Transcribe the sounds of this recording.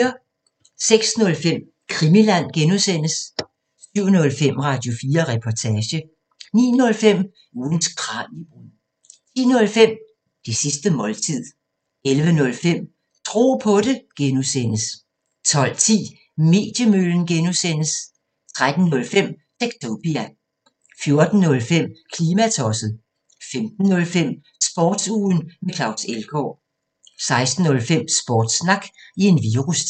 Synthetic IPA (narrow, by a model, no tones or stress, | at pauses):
ɐ | seɡ̥snɔ̽lfem̰ | kʰʁimilæn̰ɡ̥enusen̰əs | syʊ̰nɔ̽lfem̰ʁɑ̈d̥jo̝fiːɐʁɛpʰɒt͡sʰɛːɕə | nḭːnɔ̽lfem̰ | uːn̩sɡ̥ʰʁɑ̰̈ni | t͡sʰḭːnɔ̽lfem̰ | d̥e̝sisd̥əmɒ̽lt͡sʰið̰ˠ | elʋənɔ̽lfem̰ | t͡sʰʁo̝̰ːpʰɔ̽ɾeɡ̥enusen̰əs | t͡sʰɒ̽l̰t͡sʰḭː | me̝̰ːd̥jəmøln̩ɡ̥enusen̰əs | t͡sʰʁad̥n̩ːɔ̽lfem̰ | d̥eɡ̥t͡sʰob̥ʁiæ | fjo̝ɐd̥n̩ːɔ̽lfem̰kʰliːmæt͡sʰɒ̽sð̩ˠ | femd̥n̩ːɔ̽lfem̰ | sb̥ɒːd̥suːn̩mekʰlɑ̈ʊselɡ̥ɒ̰ː | sɑ̈ɪsd̥n̩ɔ̽lfem̰sb̥ɒːd̥snɑ̈ɡ̥ie̝nʋiːʁus